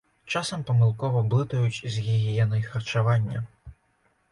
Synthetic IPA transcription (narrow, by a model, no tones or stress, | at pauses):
t͡ʂasɐmpɐmɨlˠkɔvɐblˠɨt̪ɐjut͡sʲzʲɣʲiɣʲijɛnɐjxɐrt͡ʃavanʲːɐ̰